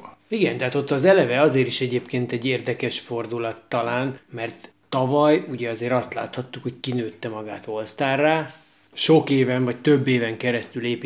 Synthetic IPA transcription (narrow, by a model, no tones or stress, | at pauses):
iɡɛnt̪ɛɦaːt̪o̞t̪ːɒzɛlɛvɛɒzeːɾiʃɛɟeːpkeːnt̪ɛɟːeːrd̪ɛkɛʃfo̞rd̪ulɒt̪ːɒlaːnmɛrt̪ːɒvɒjuɟɛɒzeːɾɒst̪la̰ːt̪hɒt̪ːukho̞c̚kinøːt̪ːɛmɒɡaːt̪o̞lst̪aːrːaː | ʃokeːvɛɱvɒc̚t̪ø̞bːeːvɛŋkɛɾɛst̪yleːp